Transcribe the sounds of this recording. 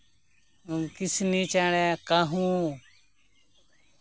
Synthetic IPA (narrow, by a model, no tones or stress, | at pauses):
ukɪsniːt͡ʃaːɽẽkaɦũː